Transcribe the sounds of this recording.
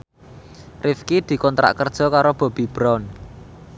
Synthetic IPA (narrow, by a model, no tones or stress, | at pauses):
rɪfkid̪̥i̤kɔnt̪ɾa̰ʔkərd̥ʒ̥ɔ̤kaɾob̥ɔ̤b̥i̤b̥ɾɔn